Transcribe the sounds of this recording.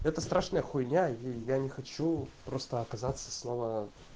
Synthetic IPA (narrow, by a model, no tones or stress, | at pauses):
ɛt̪əst̪ɾaʂnəjəxʊjnʲaijanʲɪxɐt͡ɕupɾost̪əɐkɐzat̪sːə̥sno̞və